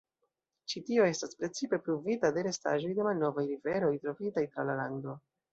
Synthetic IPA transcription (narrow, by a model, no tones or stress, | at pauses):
t͡ʃitio̞e̞staspɾe̞t͡sipe̞pɾuvitade̞ɾe̞sta̰ʒo̞jde̞malno̞vajɾive̞ɾo̞jtɾo̞fitajtɾalalando̞